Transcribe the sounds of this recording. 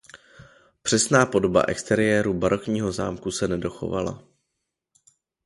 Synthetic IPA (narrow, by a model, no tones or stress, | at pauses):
pr̥ɛsnaːpo̞do̞ba̰ʔɛ̰kst̪ɛɾɪjɛːɾubaɾo̞kɲiːɦo̞za̰ːmkusɛnɛdo̞xo̞̰va̰la̰